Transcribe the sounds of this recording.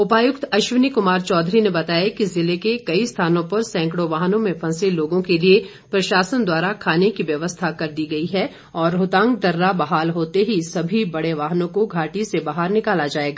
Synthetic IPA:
ʊpaːjʊkt̪ɐʃʋɪnikʊmaːɾt͡ʃɔːd̪ʱɾinebɐt̪aːjakizɪlekekɐist̪ʰaːnõpɐɾsɛ̃ːŋkɽoʋaːɦnõmẽfʰɐ̃seloːɡõkelie | pɾɐʃaːsənd̪waːɾakʰaːnekiʋjɐʋəst̪ʰakɐɾd̪iɡɐiɦɛ | ɔːɾɦʊt̪ãːŋɡd̪ɐɾːabɐɦaːlɦoːt̪eɦisɐbʱibɐɽeʋaːɦnõkoɡʱaːʈisebaːɦəɾnɪkaːlad͡ʒaːeːɡaː

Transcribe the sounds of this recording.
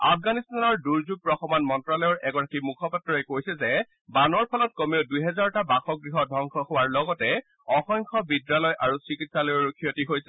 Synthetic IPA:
a̰pʰɡanistanɔɹduɹzuɡ̚pɹɔxɔmɔnmɔntɹalɔjɔɹʔɛɡɔɹakimukʰɔpatːɹɔjkojsɛzɛ | banɔɹpʰɔlɔt̚kɔmeʊdujɦɛzaɹɔtabaxɔɡɹiɦɔdʱɔŋkʰɔhowaɹlɔɡɔtɛ | ɔxɔŋkʰɔbidːalɔjʔaɹusɹikitsalɔjɹokʰijotiɦojsɛ

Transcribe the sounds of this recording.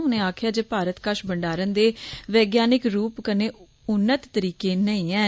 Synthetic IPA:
ʊnẽːaːkʰjaːd͡ʒeːpaːɾət̪kəʃbəɳɖaːɾənd̪eːʋɛːɡjaːnɪkɾuːpkəneː | ʊnːət̪ːəɾiːkeːnəĩːɛː

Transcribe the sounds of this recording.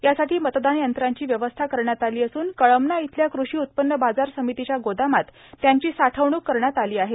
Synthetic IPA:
jasaʈiːmət̪d̪anjənt̪ɾaɲt͡ɕiːʋjəʋəst̪ʰakəɾɳjat̪aliːəsuːnkəɭəmnait̪ʰljakɾuɕiːut̪̚pənːəbad͡zaɾsəmit̪it͡ɕjaɡod̪amat̪ː | jaɲt͡ɕiːsaʈʰəʋɳ̃uːkːəɾɳjat̪aliːaɦet̪

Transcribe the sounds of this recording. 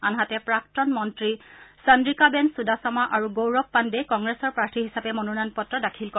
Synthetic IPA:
anɦatɛpɹaktɔnmɔntɹisəndɹikabɛnsudasɔmaʔaɹuɡowɹɔpːandɛkɔŋɡɹesɔɹpɹaɹtʰiɦisapɛmonunanpɔtːɹɔdakʰilkɔ

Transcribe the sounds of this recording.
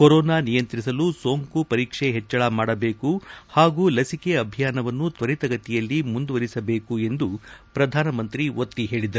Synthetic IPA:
koɾɔːnaːnijɐnt̪ɾisɐlusoːŋkupɐɾiːkʂeɦɛt͡ʃːɐɭamaːɽɐbeːkuhaːɡuːlɐsikeɐbʱijaːnɐʋɐnːut̪ʋɐɾit̪ɐɡɐt̪ijɐlːimund̪uʋɐɾisɐbeːkue̞nd̪upɾɐd̪ʱaːnɐmɐnt̪ɾiot̪ːiɦe̞ːɭid̪ɐɾu

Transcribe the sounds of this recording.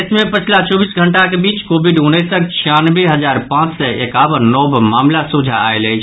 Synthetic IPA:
smẽpət͡ʃʰlat͡ʃɔːbiːsɡʱəɳʈakebiːt͡ʃkoːbiɖʊnesət͡ʃʰianʋeɦəzaːɾpãːt͡ʃsəekaːʋənːɔːbmaːmlasud͡ʒʱa̰a̰elɛːt͡ʃʰ

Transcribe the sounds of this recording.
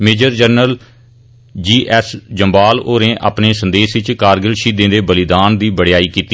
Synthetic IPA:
meːd͡ʒəɾd͡ʒəɾnəl | d͡ʒiːʔɛːsd͡ʒəmbaːloːɾẽːʔa̰ːpneːsə̃nd̪eːsʋɪt͡ʃkaːɾɡəlʃiːd̪ẽːd̪eːbəlɪd̪aːnd̪iːbəɽɪjaːiːkiːt̪i

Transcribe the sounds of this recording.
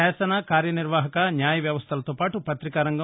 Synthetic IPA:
ɛːsɐnakaːɾjɐniɾʋaːɦɐkɐnjaːjɐʋjɐʋɐst̪ʰɐlɐt̪oːpaːʈupɐt̪ɾikaɾɐŋɡɐ

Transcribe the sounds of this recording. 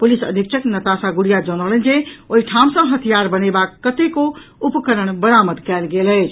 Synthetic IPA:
pulisə̰d̪ʱik̚t͡ʃʰəknət̪asaɡuɽijad͡ʒəñələnd͡ʒeoiʈʰamsə̃ɦət̪ʰijaɾbənebakːət̪eko | upkəɾəɳ̃bəɾaməd̪kɛlɡelɛt͡ʃʰ

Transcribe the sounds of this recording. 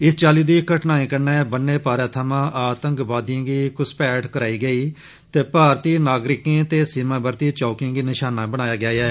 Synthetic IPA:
ɪst͡ʃaːliːd̪iːkəʈnaːĩːkəɾneːbənːeːpaːɾãːt̪ʰəmãːʔaːt̪ə̃ŋkbaːd̪jãːɡiːkʊspɛːʈkəɾaːiːɡəiː | t̪eːpaːɾt̪iːnaːɡɾɪkẽːt̪eːsɪmãːbəɾt̪iːt͡ʃɔːkɪ̃ːŋɡiːnɪʃaːnaːbəɽ̃aːjaːɡɪjaːɛː

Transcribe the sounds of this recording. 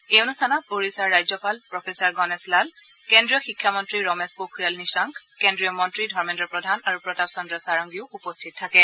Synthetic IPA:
eonustʰanɔpoɹisaɹːajzɔpalpɹɔpʰesɔɹɡɔnɛslal | kendɹijɔxikʰːjamɔntɹiɹɔmespokʰɹijalnisaŋkkendɹijɔmɔntɹidʱɔɹmɛntɔpɹɔdʱanaɹupɹɔtapsɔndɹɔsaɹɔŋɡiʊupɔstʰit̚tʰːakɛ

